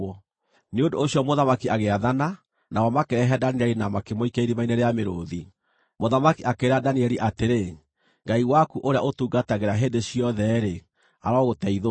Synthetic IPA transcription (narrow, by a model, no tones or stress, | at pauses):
neondoːɕjɔmoðamakiaɣeaðana | nawɔmakeɾɛɦɛdaniɛɾinamakemoikeiɾimaineɾeameɾoði | moðamakiʔakeɾadaniɛɾiʔateɾe | ɡaiwakuʔoɾea̰ʔotuɡataɣeɾaɦendeɕiɔðɛɾe | aɾɔɣotɛiðo